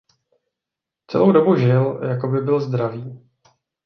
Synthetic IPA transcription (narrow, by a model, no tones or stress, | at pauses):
t͡sɛ̰lowdo̞buʒɪljako̞bɪbɪlzd̪ɾaviː